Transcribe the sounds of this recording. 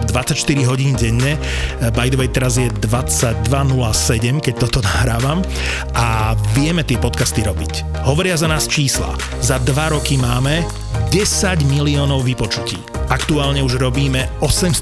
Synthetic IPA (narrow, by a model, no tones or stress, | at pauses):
d̪ʋat͡sːacʃt̪iɾiɦɔɟiːnɟɛɲːɛ | bajd̪ʋɛjt̪ɛɾazjɛd̪ʋat͡saɟ̚d̪ʋanulasɛɟɛmkɛc̚t̪ɔt̪ɔnaɦɾaːʋam | ʔaʋɪɛmɛt̪ɪɛpɔt̪kast̪iɾɔbic | ɦɔʋɔɾɪazanaːst͡ʃiːsla̰ | zad̪ʋaɾɔkimaːmɛ | ɟɛsaɟmiliɔːnɔʊʋipɔt͡ʃucḭːakt̪uaːlɲɛuʒɾɔbiːmɛɔsɛms